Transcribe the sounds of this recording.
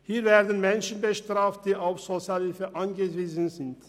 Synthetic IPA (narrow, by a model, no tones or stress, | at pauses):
hiːvɛːɐdən̩mɛnʃən̩bəʃtʁ̥aːft̚d̥iːʔaʊfz̥ot͡sjalɪfəʔanɡəviːzənzɪnt